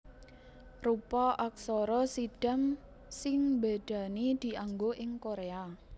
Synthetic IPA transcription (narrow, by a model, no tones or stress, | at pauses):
rupɔʔak̚soɾɔsiɖ̥am | sɪŋmbeɖ̪̥a̤nid̪̥i̤ʔaŋɡoʔɪŋkoɾea